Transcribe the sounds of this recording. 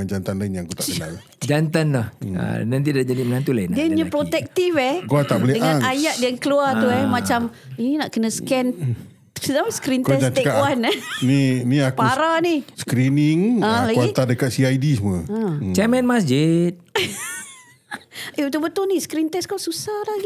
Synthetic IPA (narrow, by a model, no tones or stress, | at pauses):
ad͡ʒant̪anlainjaŋkut̪aʔənala | d͡ʒant̪anlaha̰nant̪̬idaʔd͡ʒadimənant̪ulainiəɲəpɾot̪ɛk̚t̪ifɛhɡuat̪aʔbəlidəŋãŋajaʔ̚dijaŋkəluat̪uɛmat͡ʃam | ininaʔkənə̃skɛn | sənamskɾink̪ɛsd͡ʒat͡ʃ̪ekawanniniakpauɾaniskɾiniŋãlaɡait̪adəkat̪̚siajdisuməãt͡ʃɛmɛnmasd͡ʒit̪̚ | eut̪ubət̪ʊlniskɾint̪ɛskawsusahlaɡi